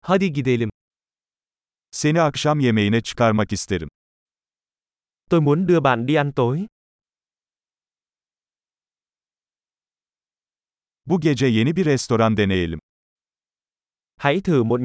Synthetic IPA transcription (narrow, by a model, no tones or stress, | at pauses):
haːd̪iɡid̪elʲim | se̞niakʃamje̞me̞jinɛt͡ʃʰɯ̥kaɾmakist̪ʰe̞ɾim | t̪ojmuəndɯəba̰ːndiant̪oj | buɟe̞d͡ʒɛje̞nibiɾɛst̪o̞ɾand̪e̞nejelʲim | ha̰ːjt̪ʰɯːmot̪